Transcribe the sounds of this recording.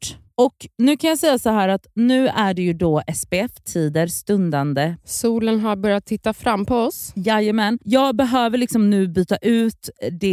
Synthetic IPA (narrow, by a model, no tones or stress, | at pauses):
ʈː | ɔknʉ̟ːkʰanjɑːsɛjːasɔɦæːɾat̪nʉ̟ːæɖɛjɵd̪ɔʔɛsbeɛft̪ʰiːd̪əɾst̪ɵnd̪and̪əsuːlənɦaɾbœɾjat̪ʰːɪt̪ːafɾamːpʰɔɔsjajəmɛnjɑːɡbɛɦøːvəɭɪksɔmnʉ̟ːbyːt̪aʔʉ̟ːt̪d̪ɛ